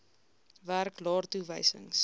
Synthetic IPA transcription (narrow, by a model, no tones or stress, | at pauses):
værklɑːrtuvəjsə̰ŋs